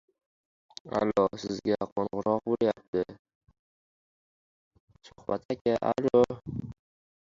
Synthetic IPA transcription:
a̰lːɒsɪzɡʲaqʰonʁɾɒq̚bolˠjap̚t̪ʰɪ | sʊ̥hbat̪ʰakʲaʔalɒ

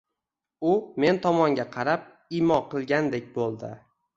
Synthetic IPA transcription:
ʊme̞nt̪ʰɒmɒŋɡʲaqʰɑɾap̚ | imɒqʰɨlˠɡʲand̪e̞k̚ʲbolˠd̪ɪ̰

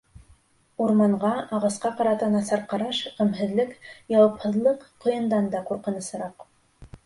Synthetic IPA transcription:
uɾmɑɴʁɑɑʁɑsqɑqɑɾɑt̪ɑnɑsɑɾqɑɾɑʃqɘ̆mɦɘ̆ðlɘkjɑwɤphɤ̆ðlˠɤqː | ŏjɤ̆nd̪ɑnd̪ɑquɾqɤ̆nɤ̆sɤ̆ɾɑq

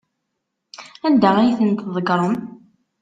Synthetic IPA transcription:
ænd̪æʁijθənt̪ðˤəɡɾˤəm

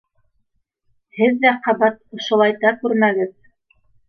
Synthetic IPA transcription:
hɘðːæqɑβɑt̪̚ŏʃŏlˠɑjt̪ɑkʉɾmæɡɘð

